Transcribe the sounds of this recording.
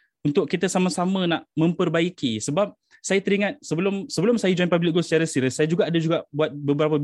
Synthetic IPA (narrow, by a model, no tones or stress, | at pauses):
unt̪ʊʔkːit̪əsamasamənaʔmə̃mpərbaikisəbap̚ | sajat̪əɾiŋãt̪̚səbəlʊmsəbəlʊmsajad͡ʒɔjnpablɪk̚ɡosə̥t͡ʃaɾasiɾəsajad͡ʒuɡaʔːdad͡ʒuɡaʔbuat̪̚bəbəɾapə